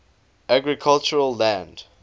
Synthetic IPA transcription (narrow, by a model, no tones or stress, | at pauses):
ʔaɡɹikʰalt͡ʃəɹəlːæ̃nd